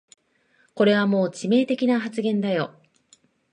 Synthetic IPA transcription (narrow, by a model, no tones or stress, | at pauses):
ko̞ɾe̞β̞amo̞ːt͡ɕime̞ːt̪e̞kʲinaɦat͡sɨɡẽ̞nd̪ajo̞̰